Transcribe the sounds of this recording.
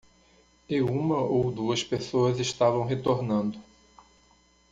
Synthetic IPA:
ɪũmɐʔowd̪uɐspesoɐzeʃt̪avɐ̃w̃ɦet̪oɾnɐ̃nd̪ʊ

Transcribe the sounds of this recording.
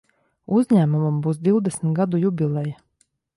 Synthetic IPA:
uzɲæːmumumbuːsd̪iwd̪ɛsm̩t̪ɡad̪ujubʲilˠɛja

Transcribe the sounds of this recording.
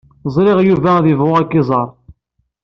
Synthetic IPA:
zˤɾɪʁjuvæðɪvʁʊækːɪzˤɑɾˤ

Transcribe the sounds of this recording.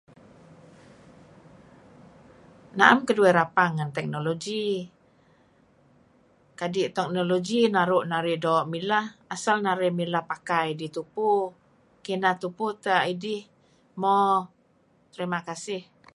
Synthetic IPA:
na̰amkəduɛɾapaŋːant̪ɛk̚noloɡi | kadiʔt̪ɛk̚noloɡinaɾʊʔnaɾɪʔdoːʔmilahasalnaɾɪʔmilahpakajdit̪upu | kinat̪uput̪aʔidɪh | mɔ | t̪əɾimakasɪh

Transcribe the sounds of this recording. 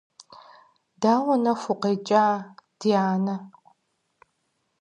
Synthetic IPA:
daːwʷɔnɐfʷʊqeːt͡ʃʼaːd̥ijaːnɐ

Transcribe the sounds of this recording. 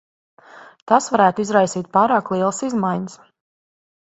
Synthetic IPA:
t̪asʋaɾæːt̪uizɾajsiːt̪̚paːɾaːklˠiɛlˠsizmajɲəs

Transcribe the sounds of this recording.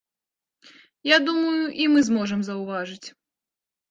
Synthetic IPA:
jad̪umɐjuʔimɨzmɔʐɛmzɐwvaʐɨt͡sʲ

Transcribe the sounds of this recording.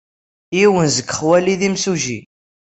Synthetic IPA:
jiwənzəɡχwæliðimsuʒḭ

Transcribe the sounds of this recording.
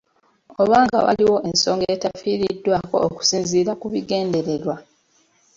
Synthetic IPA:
o̞βaːŋɡa̰wa̰liwo̞ʔe̞nso̞ːŋɡetafiːɾidːwaːko̞̰ːku̥siːnziːɾakuβiɡe̞ːnde̞ɾeɾwa

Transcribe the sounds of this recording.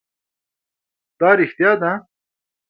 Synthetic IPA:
t̪aːɾixt̪jaːd̪a

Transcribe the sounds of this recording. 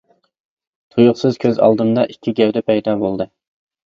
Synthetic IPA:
t̪ʰujuχsɨz̥kʲʰøzɑ̰lˠd̪ɨmd̪ɑʔikʲːiɡʲɛwd̪ɛpʰɛjd̪ɑbolˠd̪ɨ

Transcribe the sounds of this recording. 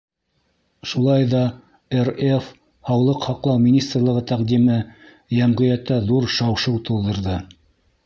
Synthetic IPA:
ʃulˠɑjðɑ | eref | hɑwlˠɤqhɑqlˠɑwmʲinʲist̪rlˠɤʁɤt̪æqd̪imɘ | jæmʁɤ̆jæt̪ːæðuɾʃɑwʃɤwt̪ŭlˠd̪ɤ̆ɾðɤ

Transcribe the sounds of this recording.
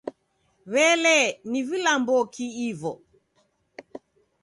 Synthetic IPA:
βɛlɛnivilambɔkʰiivɔ

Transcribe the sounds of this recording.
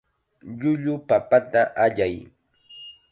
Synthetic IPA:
ʎʊʎʊpapat̪aʔaʎaj

